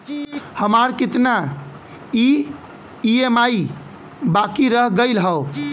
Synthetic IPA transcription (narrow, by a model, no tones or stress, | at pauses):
həmaɾkit̪na | i | iemai | bakiɾəɦɡəɪlɦəʊ